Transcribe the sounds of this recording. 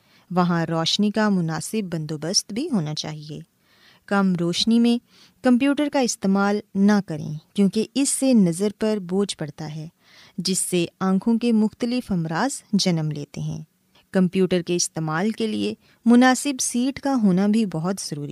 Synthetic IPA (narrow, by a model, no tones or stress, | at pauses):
ʋɐɦãɾɔːʃnikamʊnaːsɪbːɐ̃nd̪oːbəst̪bʱiɦoːnat͡ʃa̰ːɦiḛː | kɐmɾoːʃnimẽ | kɐ̃mp̬juːʈəɾkaɪst̪eːmaːlnɐkɐɾḛ̃kjõːkeɪsːenɐzəɾpɐɾboːd͡ʒpɐɽt̪aɦɛː | d͡ʒɪsːeãːkʰõkemʊxt̪əlɪfɐmɾaːzd͡ʒɐnəmlḛːt̪eɦɛ̰̃ː | kɐ̃mpjuːʈəɾkeɪst̪eːmaːlkelie | mʊnaːsɪbsiːʈkaɦoːnabʱibɔɦʊt̪z̥ɐɾuːɾi